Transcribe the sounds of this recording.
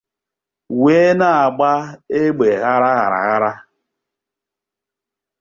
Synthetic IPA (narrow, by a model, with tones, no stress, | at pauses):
we˦na˦a˨ɡ͡ba˦e˦ɡ͡be˨ɣa˦ɾa˦ɣa̰˨ɾa̰˨ɣa˦ɾa˦